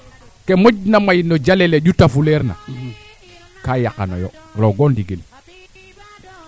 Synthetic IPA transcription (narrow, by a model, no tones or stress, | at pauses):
kemoɟnamajnod͡ʒalɛleɟutafulɛɾna̰ | kajakano̰jɔɾoɡondiɡil